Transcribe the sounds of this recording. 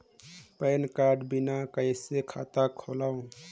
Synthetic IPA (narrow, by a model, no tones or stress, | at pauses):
pəjnkaɾɖbinakəjsekʰat̪akʰolaw̃